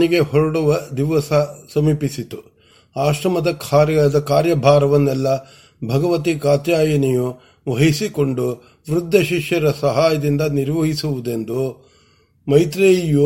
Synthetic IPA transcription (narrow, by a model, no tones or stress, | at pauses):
iɡe̞hɔɾɐɽuʋɐd̪iʋɐsɐsɐmiːpisit̪u | aːʂɾɐmɐd̪ɐkʰad̪ɐkaːɾjɐbʱaːɾɐʋɐnːɛlːɐ | bʱɐɡɐʋɐt̪̬ikaːt̪jaːjɐniju | ʋɐɦisiko̞ɳɖu | ʋɾud̪ʱːɐʃiʂjɐɾɐsɐɦaːjɐd̪ind̪ɐniɾʋɐɦisuʋud̪e̞nd̪u | mɐjt̪ɾeːju